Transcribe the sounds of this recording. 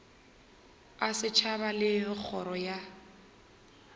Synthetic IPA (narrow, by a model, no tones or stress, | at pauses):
asɪt͡ʃʰabalɪk͡xʰɔɾɔja